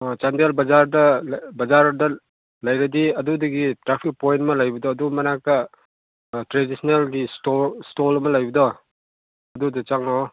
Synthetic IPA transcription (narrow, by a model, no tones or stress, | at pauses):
t͡ʃandelbɐd͡ʒaɾdɐbɐd͡ʒaɾdɐ | lɐjɾɐdiɐdudɐɡitɾapʰik̚pojntmɐlɐjbɐdɔɐdumɐnakɐ | tɾedisnelɡistostolɐmɐlɐjbɐdɔ | ɐdudɐt͡ʃaŋɔ